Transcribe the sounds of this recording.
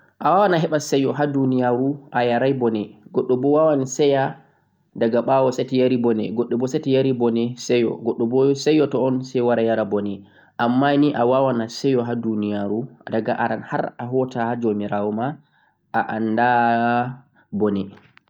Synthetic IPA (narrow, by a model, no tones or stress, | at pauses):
ʔawawanaɦɛɓasɛjɔɦadunijaɾuʔajaɾajbɔnɛɡɔɗːɔbɔwawanisɛja | daɡaɓawɔsatijaɾibɔnɛ̰ɡɔɗːɔbɔsatijaɾibɔnɛsɛjɔ̰ɡɔɗːɔbɔsɛjɔtɔɔnsɛjwaɾajaɾabɔnɛ | ʔamːaniʔawawanasɛjɔɦadunijaɾuadaɡaʔaɾanha̰ɾaɦɔtahad͡ʒomiɾawɔma | ʔaʔanːda | bɔnɛ